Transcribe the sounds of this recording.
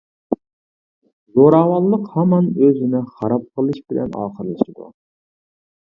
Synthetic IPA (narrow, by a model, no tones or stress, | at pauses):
zoɾɑːwɑlˠːəqhɛmɑnøzynɪχɑɾɑp̚qʰəlˠɨʃbɪlɛ̰nɑ̰ːqəɾlˠɨʃid̪ṵ